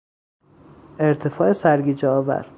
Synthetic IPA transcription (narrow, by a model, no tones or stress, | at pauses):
e̞ɾt̪ʰe̞fɒːesæɾɡiːd͡ʒɒːvæ̰ɾ